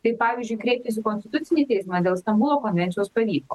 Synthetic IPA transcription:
t̪ɐɪpɑːʋʲiːzʲd͡ʒʲʊɪkɾʲɛːp̚ʲt̪ʲus̬ʲɪkɔnʲsʲt̪ʲɪ̥t̪ʊt̪sʲɪnʲit̪ʲɛɪsʲmɐd̪ʲeːlˠst̪ɐmbʊlˠokɔnʲʋʲɛnt̪ʲjospɐʋʲiːklo

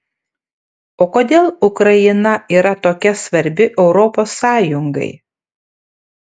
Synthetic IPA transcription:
oːkoːd̪ʲeːlˠʊkɾɐjɪnɐiːɾɐt̪oːkʲɛsʋɐɾʲbʲɪʔɛʊɾɔpoːsːɑːjʊŋɡɐ̰ɪ

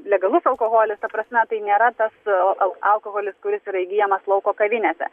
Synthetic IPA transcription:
lʲɛɡɐlˠʊsɐlˠkoːɣoːlʲɪst̪ɐpɾɐsʲmʲɛt̪ɐɪnʲeːɾɐt̪ɐsɐlˠɐlˠkoɣoːlʲɪskʊɾʲɪsiːɾɐɪɡʲijɛmɐslˠɐʊkoːkɐʋʲɪnʲeːsʲɛ̰

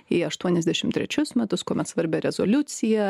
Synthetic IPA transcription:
iɐʃt̪uɔnʲɛzʲd̪ʲæʃʲɪmt̪ʲɾʲɛ̰t͡ʃʲʊsmʲɛt̪ʊskoːmʲɛt̪sʋɐɾʲbʲɛɾʲɛzo̰ːlʲʊt̪sʲɪjɛ

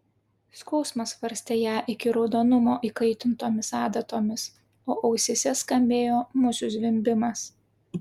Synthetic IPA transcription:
skɒʊsmɐsʋɐɾʲsʲt̪ʲeːjæːʔɪkʲɪɾɒʊd̪oːnʊmoːʔiːkɐɪt̪ʲɪnt̪oːmʲɪsɑːd̪ɐt̪oːmʲɪs | oːʔɐʊsʲesʲɛskɐmʲbʲeːjoːmʊsʲʊzʲʋʲɪmʲbʲɪmɐs

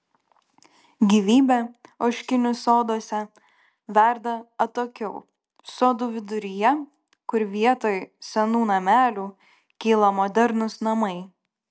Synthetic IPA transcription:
ɡʲiːʋʲiːbʲɛoːʃʲkʲɪnʲʊsoːd̪oːsʲɛ | ʋʲæɾd̪ɐɐt̪oːkʲɛʊ | soːd̪uːʋʲɪd̪ʊɾʲɪjɛ | kʊɾʋʲiɛt̪oːjsʲɛnuːnɐmʲæːlʲuː | kʲiːlˠɐmɔːd̪ʲɛɾnʊsnɐmɐɪ

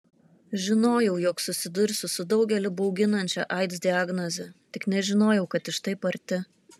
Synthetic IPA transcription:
ʒʲɪnoːjɛʊjɔːksʊsʲɪd̪ʊɾʲsʲʊsʊd̪ɒʊɡʲɛlʲɪbɐʊɡʲɪnɐnʲt͡ʃʲɛ̰ʔɐɪd̪zd̪ʲɪaɡnɔzʲɛt̪ʲɪknʲɛʒʲɪnoːjɛʊkɐt̪ɪʃt̪ɐɪpɐɾʲt̪ʲɪ

